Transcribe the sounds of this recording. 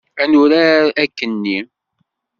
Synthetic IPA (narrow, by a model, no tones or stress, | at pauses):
ænʊɾaækːənːi